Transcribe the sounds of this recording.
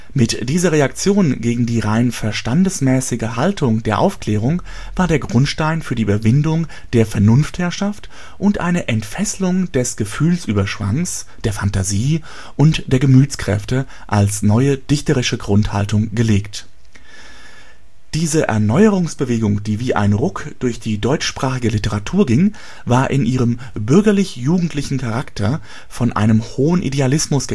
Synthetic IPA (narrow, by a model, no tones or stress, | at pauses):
mɪtd̥iːzɐʁ̞eakt͡sjoːnɡeːɡŋ̩diːʁaɪnfɛɐʃtandəsmɛːsɪɡəɦaltʰʊŋdeːɐʔa̰ʊfkl̥ɛːʁ̞ʊŋ | vaːɐdeːɐɡʁʊntʃtaɪnfyːɐdiʔyːbɐvɪndʊŋ | d̥eːɐfɛɐnʊnfthɛɐʃaft | ʔʊntʔa̰ɪnəʔɛntfɛslʊŋd̥ɛsɡ̥əfyːlsʔyːbɐʃv̥a̰ŋs | d̥eːɐfantaziː | ʔʊntd̥eːɐɡəmyːtt͡skʁ̥ɛ̰ftə | ʔalsnɔʏəd̥ɪçtəʁɪʃəɡʁʊntha̰ltʊŋɡəleːkt | d̥iːzəʔɛ̰ɐnɔʏəʁʊŋsb̥əveːɡʊŋdiːviːʔa̰ɪnʁʊkd̥ʊɐçd̥iːdɔʏt͡ʃʃpʁ̥aːχɪɡəlɪtəʁatʰuːɐɡɪŋ | vaːɐʔɪnʔiːʁəm | bʏɐɡɐlɪçjuːɡŋ̩tʰlɪçn̩kʰaʁaktʰɐ | fɔnʔa̰ɪnəmhoːənʔḭdealɪsmʊsɡ̥ə